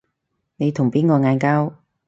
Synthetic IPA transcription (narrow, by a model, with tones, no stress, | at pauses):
ne˨˧jt̪ʰʊ˨˩ŋpiː˥nkɔː˧ŋaː˧nkaː˥w